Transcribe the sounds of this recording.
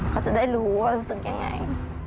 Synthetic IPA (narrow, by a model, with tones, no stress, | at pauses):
kʰa˥˩t͡ɕa˨˧˦da˥˩jluː˦˥waː˧˩ɾuː˦˥sɯ˨˩k̚ja˨˩ŋːa̰˧j